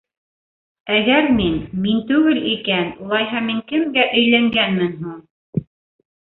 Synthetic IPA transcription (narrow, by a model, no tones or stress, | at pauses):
æɡæɾminmint̪ʉɡɘlikænulˠɑjɦɑmiŋkɘ̆mɡæʔɵ̆jlæŋɡænmɘnɦuɴ